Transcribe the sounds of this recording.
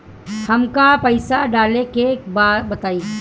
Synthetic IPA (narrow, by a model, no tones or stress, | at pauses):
hɐmkapəɪsaɖaːlekekbaːd̪bɐt̪aːiː